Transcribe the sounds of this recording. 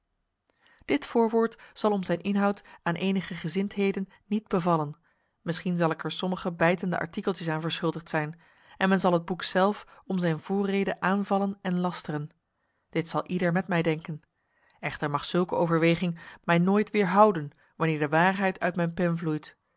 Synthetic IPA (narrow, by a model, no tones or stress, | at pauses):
d̥ɪtfʊːɹʋʊːɹtsɑlˠɔmzɛjnʔɪnɦɑwtaːnʔejnəχəχəzɪntɦejdənːid̚bəvɑlən | mɪsχinzɑlˠɪkɛɹsɔməχəbɛjtəndə̰ʔɑ̰ɹtikəlˠtəs̬aːnvəɹsχɵlˠdəχtsɛjn | ɛnmɛnzɑlˠɦəd̚buksɛlˠfɔmzɛjnvʊːrejdəʔaːnvɑlənɛnlɑstərən | d̥ɪtsɑlˠʔidəɹmɛtmɛjdɛŋkən | ɛχtəɹmɑχsɵlˠkəowvəɹʋejχɪŋmɛjnoːjtʋɪːɹɦʌwdən | ʋɑnɪːɹdəʋaːɹɦɛjtʰœ̰ɥtmɛjnpɛnvlujt